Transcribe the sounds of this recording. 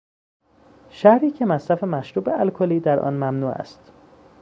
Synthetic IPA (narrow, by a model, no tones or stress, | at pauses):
ʃæhɾiːcʰe̞mæsɾæfemæʃɾuːbeʔælkʰoliːd̪æɾʔɒ̰ːnmæmnuːæ̰st̪